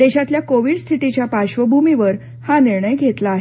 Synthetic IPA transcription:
d̪eɕat̪ljakoʋiɽst̪ʰit̪it͡ɕjapaɕʋəbʱumiʋəɾ | haniɾɳəjɡʱet̪laːɦe

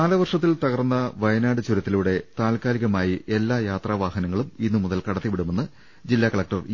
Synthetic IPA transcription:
aːlɐʋɐrʂɐt̪ːilt̪ɐɣɐrnːɐʋɐjɐnaːɽɨt͡ɕuɾɐt̪ːiluːɽe̞t̪aːlkaːliɣɐmaːjiʔelːaːjaːt̪rɐaːʋaːhɐnɐŋːɐɭuminːumuðɐlkɐɽɐt̪ːiʋiɽume̞nːɨ | d͡ʑilːaːkɐɭɐk̚ʈɐr

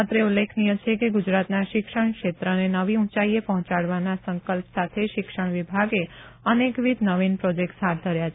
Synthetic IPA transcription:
at̪ɾeulːekʰnijə̃t͡ʃʰekeɡud͡ʒɾat̪naʃɪkʃəɳkʃet̪ɾənenəʋiũt͡ʃaiepəɦɔ̃t͡ʃaɽʋanasəŋkəlpsat̪ʰeʃɪkʃəɳ̃ʋibʱaɡeənekʋid̪nəʋinpɾod͡ʒek̚ʈsɦaɾ̚d̪ʱəɾjat͡ʃʰ

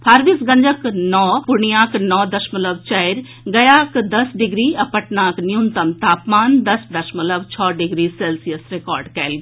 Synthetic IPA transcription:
pʰaːɾʋisɡɐ̃ɲd͡ʒəknɔːpʊɳijaːknɔːd̪ɐʃmələʋt͡ʃɐɪɾ | ɡɐjaːkd̪ɐsɖɪɡɾiːɐpəʈnãːknɪjunt̪əmt̪aːpmaːnd̪ɐsd̪ɐʃmələbt͡ʃʰɔːɖɪɡɾiːseːlsijəsɾekɔːɾɖkɛːlɡ

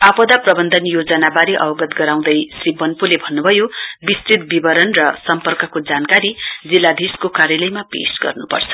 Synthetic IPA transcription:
apʌd̪aprʌbʌnd̪ʱʌnjod͡zʌnabaɾiʔʌ̰wɡʌt̪ɡʌɾaw̃d̪ʌjsribʌnpulebʱʌnːubʱʌjobist̪rit̪̚bibʌɾʌnrʌsʌmpʌrkʌkod͡zankaɾid͡zilːad̪ʱiskokaɾjʌlʌjmapḛsɡʌ̰rnupʌ̰rt͡sʰʌ̥

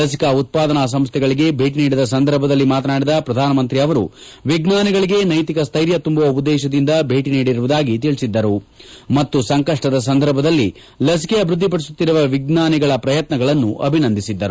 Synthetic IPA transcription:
ɐs̬i̥kɐut̪̚paːd̪ɐnas̬ɐmst̪ʰɛɡɐɭiɡe̞bʱe̞ːʈiniːɽid̪ɐs̬ɐnd̪ʱɐɾbʱɐd̪ɐlːimaːt̪ɐnaːɽid̪ɐpɾɐd̪ʱaːnɐmɐnt̪ɾiɐʋɐɾṵ | ʋiɡnaːniɡɐɭiɡe̞nɐjt̪ikɐst̪ʰɐjɾjɐt̪umbuʋɐubud̪ːɛːʃɐd̪ind̪ɐbʱe̞ːʈiniːɽiɾuʋud̪aːɡit̪̬iɭisid̪ːɐɾumɐt̪ːusɐŋkɐʂʈɐd̪ɐs̬ɐnd̪ʱɐɾbʱɐd̪ɐlːi | lɐs̬i̥keɐbʱɾud̪ʱːipɐɽis̬ut̪ːiɾuʋɐʋiɡnaːniɡɐɭɐpɾɐjɐt̪nɐɡɐɭɐnːuʔɐbʱinɐnd̪ʱisid̪ːɐɾu

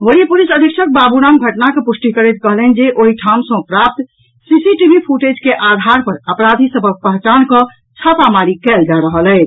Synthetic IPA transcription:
ʋəɾipulisəd̪ʱikʃʰək̚babuɾamɡʱəʈnakepusʈikəɾet̪̚kəɦlɛnd͡ʒeʔoɦiʈʰam̃sə̃pɾap̚t̪ | sisiʈibʱipʰuʈed͡ʒkeʔad̪ʱaɾpəɾəpɾad̪ʱisəbʱək̚pəɦt͡ʃankə̃ | t͡ʃʰəpamaɾikɛld͡ʒaɾəɦəlɛ

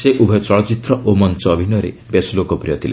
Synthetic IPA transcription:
seʔubʱɔt͡ʃɔɭɔt͡ʃit̪ɾɔʔomɔnt͡ʃɔːbʱinɔɾḛ | besulokɔpɾijɔt̪ʰile

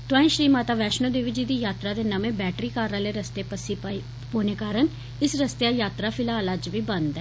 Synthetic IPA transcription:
t̪ãːĩʃɾiːmaːt̪aːʋɛːʃnoːd̪eːʋid͡ʒiːd̪iːjaːt̪ɾaːd̪eːnəmẽːbɛːʈɾiːkaːɾaːleːɾəst̪eːpəsi | poːneːkaːɾən | ɪsɾəst̪eajaːt̪ɾaːpʰɪlaːələd͡ʒʋiːbənd̪ɛː

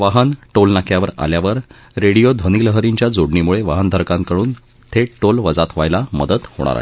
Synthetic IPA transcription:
ʋaɦənʈolnakʰjaʋəɾa̰ljaʋəɾ | ɾeɽijod̪ʱʋəniːləɦəɾiɲt͡ɕjad͡zoɽɳimuɭeʋaɦənd̪ʱəɾkãnkəɽuːn | t̪ʰeʈolʋəd͡zat̪ʋajlamə̰d̪ət̪ho̰ɽ̃a̰ɾa̰ɦe

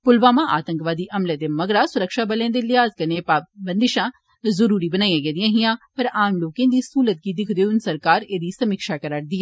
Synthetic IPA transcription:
pʊlʋaːmãːʔaːt̪ə̃ŋkʋaːd̪iːʔɐmleːt̪eːməɡɽaːsʊɾəkʃaːbəlẽːnd̪eːlɪaːzkəneːpaːbənd̪ɪʃãː | zəɾuːɾiːbənaːijãːɡɛːd̪ɪjãːɦɪjãːpəɾaːmloːkẽːd̪iːsuːlət̪̚ɡiːd̪ɪkʰd̪eʊnsəɾkaːɾeːd̪iːsəmɪkʃaːkəɾəɽd̪iːãː

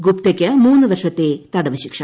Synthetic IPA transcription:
ɡupt̪ɐkʲːɐmuːnːɨʋɐrʂɐt̪ːeːt̪ɐɽɐʋɐɕikʂɐ

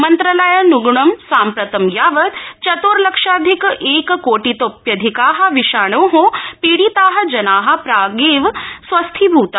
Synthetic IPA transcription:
mɐnt̪ɾɐlɐjɐnuɡɳɐmsaːmpɾɐt̪ɐmjaːʋɐt̪t͡ʃɐt̪oːɾlɐkʂaːd̪ʱikʔeːkkoːʈit̪oːpjɐd̪ʱikaːɦɐ̆ʋiʃaːɳ̃oːɦõpiːɽiːt̪aːɦɐ̆d͡ʒɐnaːɦɐ̆pɾaːɡeːʋsʋɐst̪ʰibʱuːt̪a

